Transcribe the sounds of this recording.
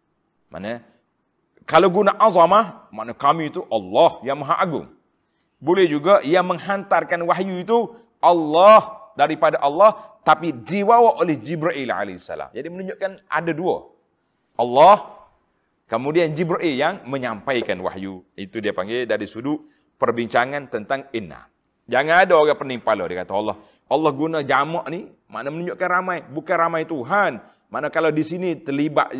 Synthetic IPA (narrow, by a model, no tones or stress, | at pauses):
mʔa̰na | kalawɡunaʔazɑmahma̰ʔnakamiːt̪uʔɑlːɑhjaŋmaɦaʔaɡʊ̰ŋ | bolɛhd͡ʒuɡaʔijaməŋhant̪arkanwaɦjuit̪u | ʔɑlːɑhdaɾipadaʔɑlːɑht̪apidiwawaʔolɛhd͡ʒibɾaʔilʕa̰lehisːa̰la̰md͡ʒadimənũɲd͡ʒʊʔkanʔa̰daduə̰ | ʔɑlːɔh | kəmudiand͡ʒibɾaʔiljaŋməɲampajkanwa̰hjuit̪udiapaŋɡedaɾisudʊʔ | pərbiɲt͡ʃaŋant̪ənt̪aŋinːa̰ | d͡ʒaŋanadaoɡapəniŋpalo̰dikat̪aɔlːɔh | ʔɑlːɔhɡunad͡ʒamɔʔni | ma̰ʔnamənuɲd͡ʒʊʔkanramajbukanramajt̪uɦan | maʔnakalawdisinit̪əliba̰ʔ